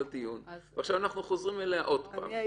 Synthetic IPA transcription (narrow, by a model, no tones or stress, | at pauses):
lt̪ijunveaχʃavanaχnuχozʁimeleaʔo̞dpa̰ːm